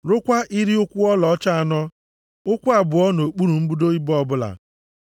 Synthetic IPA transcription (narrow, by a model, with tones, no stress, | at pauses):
ɾʊ˦kʷa˦ʔi˦ɾi˦ʊ˦kʷʊ˦ɔ˦lɔ˨ɔ˦t͡ʃa˦a˨nɔ˦ | ʊ˦kʷu˦a˨bʊ˨ɔ˦no˨k͡pu˦ɾu˨m̩˦bu˦do˦i˦bɔ˦bʊ˦la̰˨